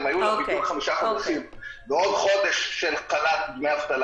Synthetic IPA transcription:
majuabikulχamiʃaχod̪aʃim | meo̞d̪χo̞d̪eʃːelkalat̪̚ɡmeavt̪al

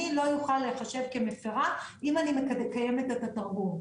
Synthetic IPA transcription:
ilo̞juχalːeχaʃe̞vke̞mefeʁaʔimanimekkaje̞metet̪at̪aʁɡum

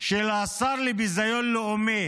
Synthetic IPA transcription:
ʃelaːsaɾlibizɐjolːoome

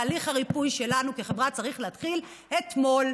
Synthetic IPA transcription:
liχhaʁipujʃe̞lanukiχevʁat͡saʁiχleat̪χil | et̪mo̞l

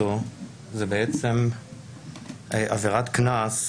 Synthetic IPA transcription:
o | zebeet͡se̞m | ʔaveʁat̪knas

